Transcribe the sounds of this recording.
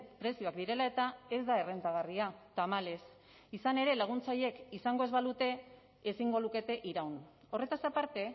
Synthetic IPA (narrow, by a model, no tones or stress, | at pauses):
pɾe̞sioakd̪iɾe̞lae̞t̪ae̞zd̪ae̞re̞nt̪aɣ̞ariat̪amale̞s | isane̞ɾe̞laɣ̞unt͡saʎe̞kisaŋɡoe̞zβalut̪e̞ | esiŋɡo̞luke̞t̪e̞ʔiɾawn | o̞re̞t̪asapaɾt̪e̞